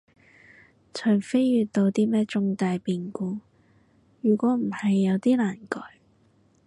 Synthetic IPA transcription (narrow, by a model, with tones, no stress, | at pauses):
t͡ʃʰɵ˨˩ŋfe˥jːyː˨˧tt̪o˧wt̪iː˥mɛː˥t͡sʊ˥ŋt̪aː˧jpiː˨˧nkuː˧ | jyː˨˩kʷɔː˨˥m̩˨˩hɐ˨jːɐ˨˧wt̪iː˥laː˨˩nkɔː˨˥j